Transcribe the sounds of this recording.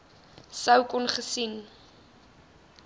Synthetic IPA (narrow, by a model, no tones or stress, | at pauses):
səwkɔnχəsin